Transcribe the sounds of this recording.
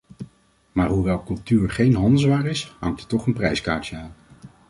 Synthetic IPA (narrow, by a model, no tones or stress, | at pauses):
maːɹɦuʋɛlˠkɵlˠtyːɹχejnɦɑndəzʋaːɹɪsɦɑŋk̚tətɔχənprɛjskaːɹtjəaːn